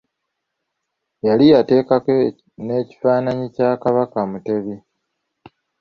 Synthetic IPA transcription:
jalijate̞ːkake | ne̞ːci̥faːnaɲicaːkaβakamute̞βi

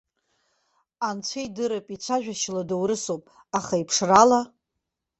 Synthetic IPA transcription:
ant͡ɕʷʰejdɨɾapʼit͡ʃʷʰaʒᶣaʃladowɾɨsopʼ | aχaipʰʂrala

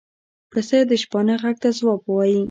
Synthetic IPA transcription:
pəsed̪əʃpɑnəɣaɡ̚t̪azwɑbwɑji

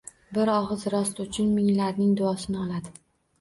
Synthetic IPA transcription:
bɪɾɒʁɨzɾɒst̪ʊt͡ʃʰɪnmɪŋlaɾnɪŋd̪ʊɒsɪnɪɒlˠad̪ɪɪ

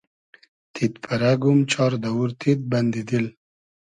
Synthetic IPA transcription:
t̪ʰit̪pʰaɾaɡumt͡ʃɑɾd̪awuɾt̪ʰit̪̚band̪id̪il

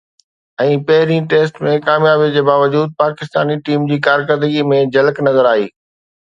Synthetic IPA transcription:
ɛ̃ːpɐɦɪɾĩʈeːsʈmẽkaːmjaːbed͡ʑeːbaːʋəd͡ʑuːd̪̚paːkɪst̪aːniʈiːmd͡ʑiːkaːɾk̬əɾd̪əɡimẽd͡ʑɐləknɐzəɾaːɦḭː

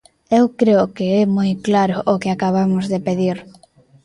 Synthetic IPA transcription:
ewkɾeʊkeɛmojklaɾʊʔːkɪakaβamʊzðepeðiɾ

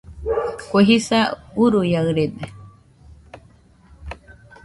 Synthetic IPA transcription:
kʷeɦisauɾujaɯɾed̪e

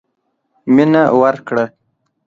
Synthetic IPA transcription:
minawaɾkɽə

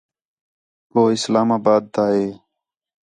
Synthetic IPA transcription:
koːɪslaːmaːbaːd̪̚t̪aːɦeː

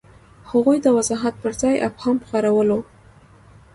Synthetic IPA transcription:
haɣujd̪əwazɑɦat̪̚pəɾzɑjʔaphɑmpxaɾawəlo

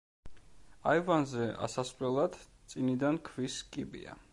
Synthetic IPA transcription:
aivanzɛʔa̰sasχlɛlˠad̪̥t̪sʼinid̪ankʰviskʼibḭa̰

